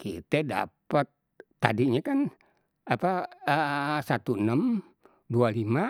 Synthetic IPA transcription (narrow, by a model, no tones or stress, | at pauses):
kḭt̪ɛda̰pət̪̚ː | a̰diɲakan | apaəsat̪uənəm | dualima